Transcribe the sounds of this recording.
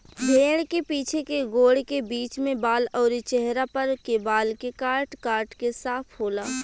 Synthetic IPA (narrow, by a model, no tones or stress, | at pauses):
bʱeːɽkepiːt͡ʃʰekeɡoːɽkebiːt͡ʃmẽbaːlɔːɾit͡ʃɛɦɾapɐɾkebaːlkekaːɾʈkaːɾʈkesaːpʰɦoːlaː